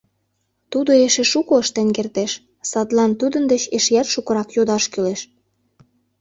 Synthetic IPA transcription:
t̪ud̪oeʃeʃukoəʃt̪enkert̪eʃ | sɑt̪lɑnt̪ud̪ənd̪et͡ɕeʃjærʃukɤ̆ɾɑkjod̪ɑʃkyleʃ

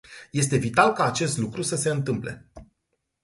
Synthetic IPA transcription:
je̞s̬t̪e̞vit̪alkaːt͡ʃe̞st̪lukɾusəse̞ɨnt̪ɨmple̞̰

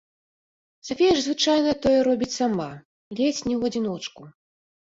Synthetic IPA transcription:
safʲejɐʐzvɨt͡ʂajnɐt̪ɔjɛɾɔbʲit͡sʲsama | lʲɛt͡sʲnʲɛwɐd͡zʲinɔt͡ʂku

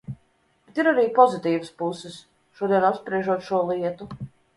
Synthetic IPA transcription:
bet̪iɾaɾiːpɔzit̪iːvəspusɪs | ʃuɔd̪iɛnapspɾiɛʒuɔt̪ʃuɔlˠiɛt̪u

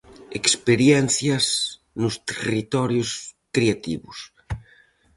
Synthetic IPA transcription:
ekspeɾjɛnθjɐz | nʊst̪erit̪ɔɾjʊskɾeat̪ḭβʊs

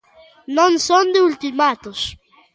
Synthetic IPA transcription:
nõŋsõnd̪ɪult̪imat̪ʊs

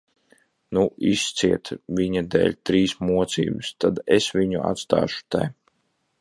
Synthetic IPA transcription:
nuʔist̪siɛt̪vʲiɲad̪ɛ̰ːlʲt̪ɾiːsmuɔt̪sḭːbɨst̪ad̪esvʲiɲṵa̰t̪st̪a̰ːʃu̥t̪a̰j

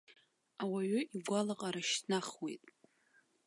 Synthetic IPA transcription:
awaɥʏiɡʷalaqʼaɾaʃtʰnaχwḛjtʼ

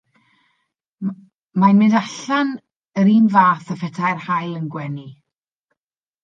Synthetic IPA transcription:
majnmɪndaɬan | əɾiːnvaːθəfɛtʰajrhajlˠənɡwɛni

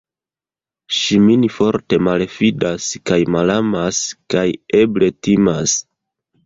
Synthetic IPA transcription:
ʃiminfo̞ɾte̞malfidaskajmalamaskaje̞ble̞timas

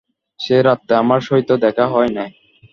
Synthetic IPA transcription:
ʃeɾat̪ːaamaɾʃoɦit̪od̪ɛkʰaɦɔenaj

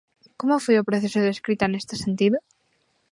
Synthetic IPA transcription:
komofwejopɾoθesoðeskɾit̪aenest̪esent̪iðo

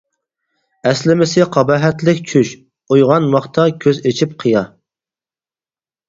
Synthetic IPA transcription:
ɛslɪmɪsɪqʰɑbɑɦɛt̪lɪkʲt͡ʃʰyʃ | ujʁɑnmɑχt̪ʰɑkʲʰøzet͡ʃʰip̚qʰəjɑ

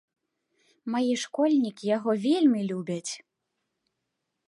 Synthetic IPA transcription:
majiʂkɔlʲnʲikʲijaɣɔvʲelʲmʲilʲubʲɐt͡sʲ

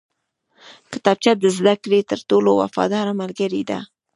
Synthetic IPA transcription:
kɪ̥t̪ɑb̚t͡ʃad̪əzd̪akɾet̪əɾt̪olowa̰fɑ̰d̪ɑɾamalɡəɾid̪a̰

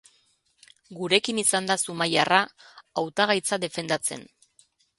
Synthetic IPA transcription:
ɡuɾe̞kinisand̪asumajaraawt̪aɣ̞ajt͡saðe̞fe̞nd̪at͡se̞̰n

